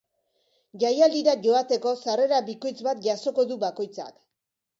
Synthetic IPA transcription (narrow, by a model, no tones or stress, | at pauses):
ʝajald̪iɾaʝo̞at̪e̞ko̞sare̞ɾaβiko̞jt͡sbat̪ʝaso̞ko̞ðuβako̞jt͡sa̰k